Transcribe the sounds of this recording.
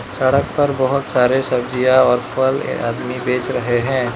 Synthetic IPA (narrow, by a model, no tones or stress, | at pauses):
sɐɽək̚pɐɾbɐɦʊt̪saːɾesɐbd͡ʒijaɔːɾpʰəl̰a̰ːd̪mibeːt͡ʃɾɐɦeɦɛ̃ː